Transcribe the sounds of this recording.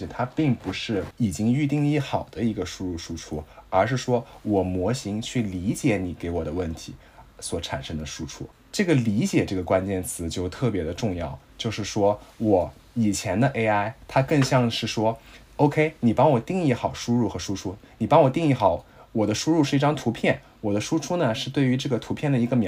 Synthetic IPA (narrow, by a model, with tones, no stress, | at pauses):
t̪ʰa˥pi˥˩ŋpu˧˥ʂɻ̩˥˩i˨˩t͡ɕi˥ŋy˥˧t̪̬i˥˧ŋ˧i˥˩xɑ˨˩ʊd̪ə˦i˧˥ɡə˧ʂu˥ɻu˥˩ʂu˥ʈ͡ʂʰu˥ə˞˧˥ʂ̬ɻ̩˥˩ʂwɔ˥wɔ˨˩mwɔ˧˥ɕi˧˥ŋt͡ɕʰy˥˩li˧˥t͡ɕjɛ˧˥ni˨˩ke˧˥ɪwɔ˨˩d̪ə˦wə˥˩nt̪ʰi˧˥ | swɔ˨˩˥ʈ͡ʂʰa̰˨˩nʂɤ˥ŋd̪ə˧ʂu˥ʈ͡ʂʰṵ˥ | ʈ͡ʂɤ˥˩ɡə˩li˧˥t͡ɕjɛ˨˩ʈ͡ʂɤ˥˩ɡə˩kwa˥nt͡ɕjɛ˥˩nt͡sʰɹ̩˧˥t͡ɕjo˥˧ʊt̪ʰɤ˥˩p̬jɛ˧˥d̪ə˧ʈ͡ʂʊ˥˧ŋjɑ˥˩ʊt͡ɕjo˥˧ʊʂɻ̩˥˩ʂwɔ˥wɔ˨˧˩ | i˨˩t͡ɕʰjɛ˧˥nd̪ə˧ʔe˥ɪa˥ɪt̪ʰa˥kɤ˥˧ŋɕjɑ˥˧ŋʂɻ̩˥˩ʂwɔ˥ | o˥ʊkʰe˥ɪni˨˩pɑ˥ŋwɔ˨˩t̪i˥˧ŋi˥˩xɑ˨˩ʊʂu˥ɻu˥˩xɤ˧˥ʂu˥ʈ͡ʂʰu˥ni˨˩pɑ˥ŋwɔ˨˩t̪i˥˧ŋi˥˩xɑ˧˩ʊ | wɔ˨˩d̪ə˦ʂu˥ɻu˥˧ʂɻ̩˥˧i˥˩ʈ͡ʂɑ˥ŋt̪ʰu˧˥pʰjɛ˥˩n | wɔ˨˩d̪ə˦ʂu˥ʈ͡ʂʰu˥nə˨ʂɻ̩˥˧t̪we˥˩ɪy˧˥ʈ͡ʂɤ˥˩ɡə˩t̪ʰu˧˥pʰjɛ˥˩nd̪ə˩i˧˥ɡə˧mj